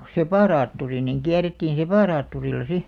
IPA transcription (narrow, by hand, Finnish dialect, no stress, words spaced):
sepɑˑrɑːtːuri niŋ kiæretːiːn sepɑˑrɑːtːurilːɑ si